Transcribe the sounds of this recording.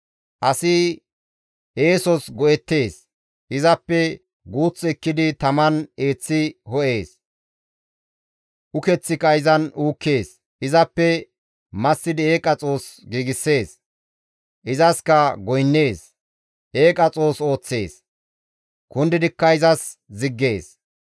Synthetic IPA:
ʔɐsɪ | ʔeːsɔsɡɔɛt̪ːe̞ːs | ʔɪzɐpːɛ | ɡuːt͡sːɛkːɪd̪ɪt̪ɐmɐne̞ːt͡sːɪhɔʔe̞ːs | ʔʊkɛt͡sːɪkɐɪzɐnuːkːe̞ːs | ʔɪzɐpːɛ | mɐsːɪd̪ɪe̞ːkʼɐt͡sʼo̞ːsɡiːɡɪsːe̞ːs | ʔɪzɐskɐɡɔjnːe̞ːs | ʔeːkʼɐt͡sʼo̞ːso̞ːt͡sːe̞ːs | kʊnd̪ɪd̪ɪkːɐɪzɐs | zɪɡːe̞ːs

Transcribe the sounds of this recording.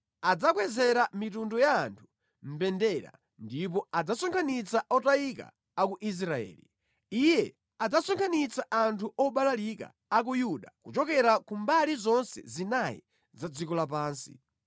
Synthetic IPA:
ad͡zakwɛzɛɾamitundɔjaːntʰu̥ | m̩bɛndɛɾa̰ | ndip̬ɔad͡zasɔŋkʰanit͡saɔtaika̰ | akuʔis̬ɾaɛ̰ːli | ijɛ | ad͡zasɔŋkʰanit͡saʔantʰuʔɔɓalalika̰ːk̬ujuɗakut͡ʃɔkɛɾakumbalizɔnsɛ̰zinajḭ | zad͡zikɔlap̬aːnsḭ

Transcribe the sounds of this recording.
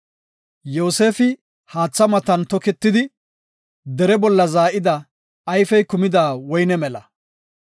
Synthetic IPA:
jo̞ːse̞ːfɪ | haːt͡sːɐmɐt̪ɐnt̪ɔkɛt̪ːɪd̪ɪ | d̪ɛɾɛbɔlːɐzaːʔɪd̪ɐː | jfɛjkʊmɪd̪aːwɔjnɛmɛlɐ̰

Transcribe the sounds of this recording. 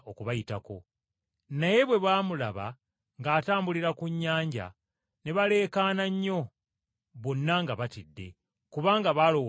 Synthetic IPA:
okuβajitako̞ | naje̞βwe̞βwaːmulaβa̰ | ŋɡaːtaːmbuliɾakuɲːaːɲɟa̰ | ne̞βale̞ːkaːnaɲːo̞ | βo̞nːaŋɡaβatidːe̞̰ | kuβaːŋɡaβalo̞

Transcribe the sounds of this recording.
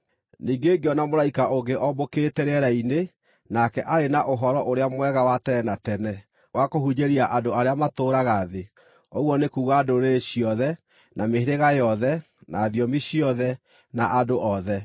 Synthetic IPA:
niːɡeːɡeɔnamoɾaikaʔoɡeʔɔboketɛɾɛɾaine | nakɛʔaɾenaʔoɦɔɾɔʔoɾeamwɛɣawatɛɛnatɛnɛ | wakohuɲeɾiaʔandoaɾeamatoːɾaɣaðe | oɣwɔnekuːɣaːdoɾeɕiɔðɛ | nameheɾeɣajɔðɛ | naːðiɔmiɕiɔðɛ | naʔadoʔɔðɛ

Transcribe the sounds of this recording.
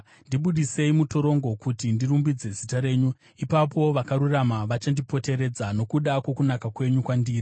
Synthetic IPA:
ndiɓuɗise̞imuto̞ɾo̞ŋɡo̞kutindirumbid͡ze̞zitaɾe̞ːɲu | ipapo̞ʋakaɾuramaʋat͡ʃandipo̞te̞ɾe̞d͡zano̞kuɗakwo̞kunakakwe̞ɲukwandiːri

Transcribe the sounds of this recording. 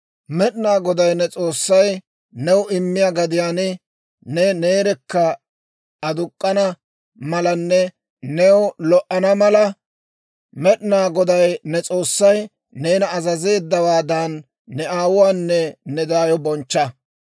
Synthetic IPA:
mɛɗnaːɡɔd̪ɐjnɛt͡sʼo̞ːsːɐj | nɛwɪmːɪjaɡɐd̪ɪjaːnɪ | nɛne̞ːɾɛkːɐ | ɐd̪ʊkʼːɐnɐ | mɐlɐnːɛ | nɛwlɔʔɐnɐmɐlɐ | mɛɗnaːɡɔd̪ɐjnɛt͡sʼo̞ːsːɐj | neːnɐːzɐze̞ːd̪ːɐwaːd̪anː | ɛaːwʊwaːnːɛːɛd̪aːjɔbɔnt͡ʃːɐ

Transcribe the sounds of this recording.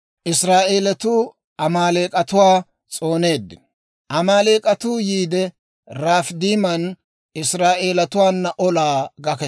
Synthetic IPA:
ʔɪsɾaːʔe̞ːlɐt̪uː | ʔɐmaːleːkʼɐt̪ʊwaː | t͡sʼo̞ːne̞ːd̪ːɪ | ʔɐmaːle̞ːkʼɐt̪uːjiːd̪ɛ | ɾaːfd̪iːmɐn | ɪsɾaːʔe̞ːlɐt̪ʊwaːnːɐʔɔlaːɡɐkɛ

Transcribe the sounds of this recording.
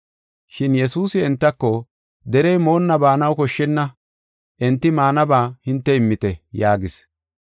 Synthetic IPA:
ʃɪnjɛsuːsɪɛnt̪ːɐkːɔ | d̪ɛɾɛjmo̞ːnːɐbaːnɐwkɔʃːɛnːɐ | ʔɛnt̪ːɪmaːnɐbaːhɪnt̪ːɛɪmːɪt̪ɛjaːɡɪs

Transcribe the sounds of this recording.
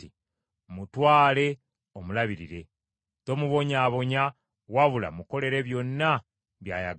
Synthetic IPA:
i | mutwaːle̞ | omulaβiɾiɾe̞ | to̞muβo̞ɲaːβo̞ɲa | waβula̰muko̞le̞ɾe̞βjo̞nːa | βja̰ːja

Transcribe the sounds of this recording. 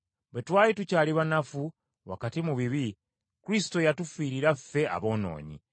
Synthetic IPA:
bwe̞twaːlitucaːliβanafu | wa̰katimuβiβi | kuɾisi̥to̞jatufiːɾiɾafːe̞a̰βo̞ːno̞̰ːɲḭ

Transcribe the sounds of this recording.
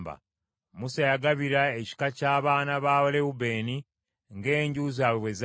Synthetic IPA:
ba̰ | musajaɡaβiɾaeci̥kacaːβaːnaβaːwoleube̞ːni | ŋɡe̞ːɲɟuzaβwez

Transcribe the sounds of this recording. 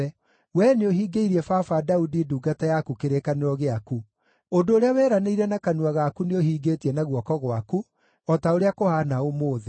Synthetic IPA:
ɛ | wɛːneoɦiːɡeiɾiɛfafadaudiduːɡatajakukeɾekaneɾɔɣeaku | ondoːɾeawɛːɾaneiɾɛnakanwaɣakuneohiːɡeːtiɛnaɣwɔkɔɣwaku | ɔtaoɾeakohanaomoːðe

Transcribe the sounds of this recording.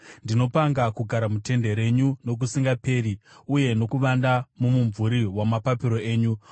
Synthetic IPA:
ndino̞paŋɡakuɡʱaɾamute̞nde̞ɾe̞ɲuno̞k̬usiŋɡape̞ːɾiuje̞no̞kuʋandamumuɱvuɾiwamapapiɾo̞e̞ːɲu

